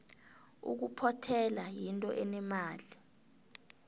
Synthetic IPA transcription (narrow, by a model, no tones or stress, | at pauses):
ṵk̬upʰɔtʰɛlajintʼɔʔɛnɛmaːli